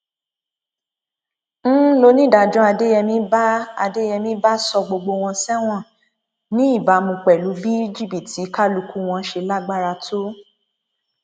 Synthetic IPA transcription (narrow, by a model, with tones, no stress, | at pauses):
n̩˦lo˧nĩ˦˨da˨d͡ʒɔ̃˦a˧de˦jɛ˧mĩ˦ba˦a˧de˦jɛ˧mĩ˦ba˦sɔ˧ɡ͡bo˧ɡ͡bo˧w̃ɔ̃˧sɛ˦w̃ɔ̃˦˨ | nĩ˨˦i˦˨ba˨˦mũ˧k͡pɛ˨lu˨˦bi˦i˦d͡ʒi˦˨bi˨ti˨˦ka˦lu˧ku˦w̃ɔ̃˧ʃe˧la˦ɡ͡ba˦ɾa˧tʰo˦